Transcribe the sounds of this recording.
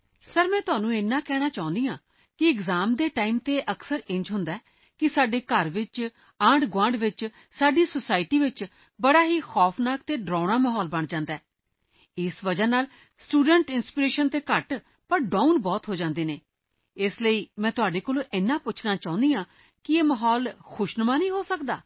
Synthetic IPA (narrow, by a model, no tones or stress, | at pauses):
səɾmɛ̃ːt̪ʊaːnũːɪnːãːkɛːɽ̃aːt͡ʃaːʊ̃nd̪iːãː | kɪɪɡzaːmd̪eːʈaːiːmt̪eːʔəksəɾɪ̃ɲd͡ʒɦʊnd̪aːɛː | kɪsaːɖeːkəɾʋɪt͡ʃ | aːɳɖɡãːɳɖʋɪt͡ʃ | saːɖiːsəsaːɪʈiːʋɪt͡ʃ | bəɽaːɦiːxɔːpʰnaːkt̪eːɖɾãːɽaːmɛːɦɔːlbəɳd͡ʒãːnd̪aːɛː | ɪsʋəd͡ʒaːnaːl | sʈuːɖəɳʈɪnspiːɾeːʃənt̪eːkəʈ | pəɾɖãːunbɔːt̪ɦoːd͡ʒãːnd̪eːneː | ɪsləiːmɛ̃ːt̪ʊaːɖeːkoːlõːʔɪnːãːpʊt͡ʃʰnaːt͡ʃaːʊ̃nd̪ijãː | kɪeːməɦɔːlxʰʊʃnəmãːnəĩːɦoːsəkd̪a̰ː